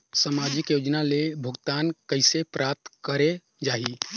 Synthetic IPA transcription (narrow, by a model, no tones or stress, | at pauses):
samad͡ʒɪkjod͡ʒnalebʱəɡt̪ankəɪsepɾʔap̚t̪kəɾe | d͡ʒaːɦi